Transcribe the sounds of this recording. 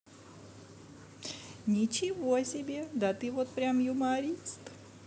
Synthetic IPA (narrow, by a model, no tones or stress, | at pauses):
nʲɪt͡ɕɪvoɐsʲɪbʲed̪ɐt̪ɨvot̪̚pɾʲamjʊmaɾʲist̪